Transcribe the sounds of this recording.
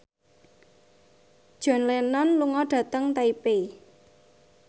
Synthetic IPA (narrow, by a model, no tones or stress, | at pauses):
d̥ʒ̥ɔ̤nlenɔnluŋɔɖ̥ä̤t̪əŋt̪aipe